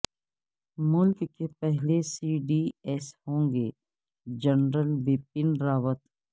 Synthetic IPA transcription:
mʊlkːepɛɦlesiːɖiɛːshõːŋɡeː | d͡ʒənɾəlʋɪpɪnɾaːʋət̪

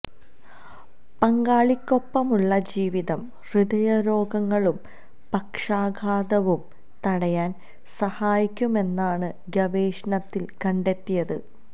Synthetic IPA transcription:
pɐŋɡaːɭikʲːopːɐmuɭːɐd͡ʑiːʋiðɐm | riðɐjɐɾo̞ːɡɐŋːɐɭum | pɐkʂaːɡʱaːd̪ɐʋum | t̪ɐɽɐjaːn | sɐhaːjikʲːume̞nːaːɳɨ | ɡɐʋeːʂnɐt̪ːilkɐɳɖe̞t̪ːijɐðɨ̰

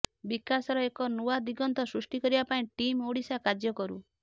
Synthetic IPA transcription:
bikasɔɾɔekɔnuwad̪iɡɔnt̪ɔsɾusʈikɔɾibapaĩʈimoɽisakad͡ʒjɔkɔɾṵ

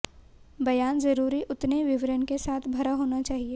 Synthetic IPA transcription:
bɐjaːnzɐɾuːɾiʔʊt̪neʋɪʋɾənkesaːt̪ʰbʱɐɾaɦoːnat͡ʃaːɦieː

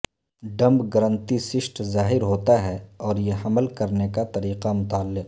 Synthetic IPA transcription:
ɖɐ̃mbɡɐɾə̃nt̪isɪʃʈzaːɦɪɾɦoːt̪aɦɛɔːɾjeɦɐməlkɐɾnekat̪ɐɾiːqamʊt̪aːlːɪq

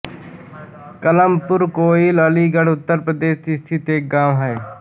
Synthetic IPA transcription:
kələmpʊɾkoːiləliːɡəɽʊt̪ːəɾpɾəd̪eːʃt̪ist̪ʰɪt̪eːk̚ɡaːmɦɛː

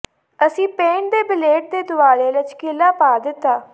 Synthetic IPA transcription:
əsĩːpẽːɳd̪eːbɪleːʈ̚d̪eːd̪ʊʋaːleːlət͡ʃkɪlaːpaːd̪ɪt̪ːaː

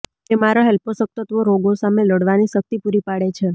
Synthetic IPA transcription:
t̪emaɾaɦɛlposək̚t̪ət̪ʋoɾoɡosameləɽʋaniʃək̚t̪ipuɾipaɽet͡ʃʰe

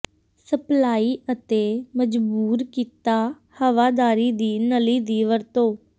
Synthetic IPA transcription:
səplaːiːʔət̪eːməd͡ʒbuːɾkiːt̪aː | həʋaːd̪aːɾiːd̪iːnəliːd̪iːʋəɾt̪oː

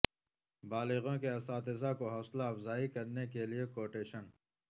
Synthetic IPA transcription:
baːlɪɣõkeɐsaːt̪ɪzakoɦɔːslaɐfzaːikɐɾnekeliekoːʈeːʃən

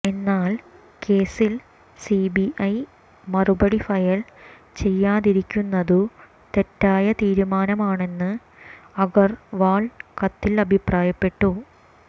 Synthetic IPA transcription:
e̞nːaːl | ke̞ːsil | sibiʔɐj | mɐrubɐɽifɐjɐɭ | t͡ɕe̞jːaːðiɾikʲːunːɐðu | t̪e̞tːaːjɐt̪iːɾumaːnɐmaːɳe̞nːɨ | ɐɣɐrʋaːɭkɐt̪ːilɐbʱipraːjɐpːe̞ʈːu

